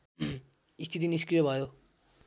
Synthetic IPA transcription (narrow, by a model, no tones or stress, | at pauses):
ist̪ʰit̪iniskɾijʌbʱʌjo